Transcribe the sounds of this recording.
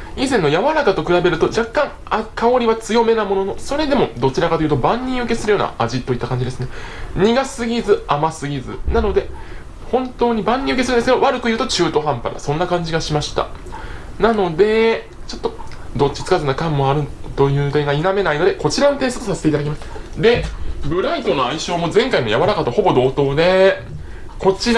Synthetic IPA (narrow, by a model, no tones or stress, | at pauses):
izẽ̞nːojaβaɾakat̪o̞kɯ̟ɾabe̞ɾɯ̟t̪o̞d͡ʑakːãŋ | akao̞ɾʲiβat͡sɨjo̞me̞namo̞no̞no̞so̞ɾe̞d̪e̞mo̞d̪o̞t͡ɕiɾakat̪oiɯ̟t̪obãɲːʲĩɯ̟ke̞sɨɾɯ̟jo̞ːna̰aʑit̪ːo̞it̪ːakãɲ̟d͡ʑid̪e̞sɨne̞ɲ̟iɡasɨɡʲizɨamasɨɡʲizɨ̰nano̞d̪e̞ | hõ̞nt̪o̞ːɲ̟ibãɲ̟ːĩɯkesɨɾɯnesɨked̪o̞βaɾɯ̟kɯjɯ̟ːt̪o̞t͡ɕɨːt̪o̞ɦãmpa̰ɾa̰sõ̞nːakãɲ̟d͡ʑiɡaɕimaɕi̥t̪a̰ | nano̞d̪e̞ | t͡ɕo̞t̪ːo̞d̪o̞tt͡ɕːi̥t͡sɨ̥kazɨnakãmːo̞aɾɯ̟t̪o̞jɯ̟ːd̪e̞ŋɡainame̞naino̞d̪e̞ko̞t͡ɕiɾanot̪e̞ːso̥t̪osaset̪e̞it̪ad̪akʲimasɨ̥d̪e̞bɯ̟ɾait̪o̞no̞aiɕo̞ːmo̞zẽ̞ŋkaimojaβaɾakat̪ːoho̞bo̞d̪o̞ːt̪o̞ːd̪e̞ | ko̞t͡ɕiɾ